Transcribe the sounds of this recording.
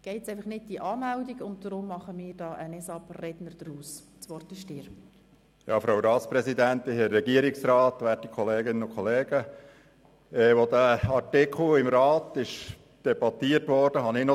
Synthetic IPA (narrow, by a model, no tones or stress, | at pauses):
ɡ̥ɛɪɛɪfɑχnɪt̚d̥iʔɑːmɛldiɡʊnt̚d̥ɾʊmːɑχəmɪːɾd̥ɑːʔənɛsɑprɛd̥nəɾd̥ɾuːs | t͡sʋɔrtɪʃdɪːɾ | jɑ̰ːfɾawɾɑːtspɾɛsidænt̪ɪhɛrːɛɡiəɾɪksrɑːt̪ʋæːtikʰχɔleːɡɪnənʊkʰχɔleːɡ̥ə | ɛʋod̪əɑtɪkʰl̩ɪmɾɑːt̪ɪʃ | d̥ɛbɑt̪iːətʋɔɾd̥əɦɑnɪnɔ